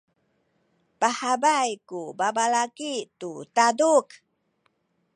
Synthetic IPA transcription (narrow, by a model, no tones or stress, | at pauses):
pahabajkubabalakitutaduk